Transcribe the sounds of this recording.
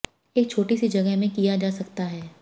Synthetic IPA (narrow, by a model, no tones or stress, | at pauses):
eːk̚t͡ʃʰoːʈisid͡ʒɐɡəɦmẽkijad͡ʒaːsɐkt̪aɦɛː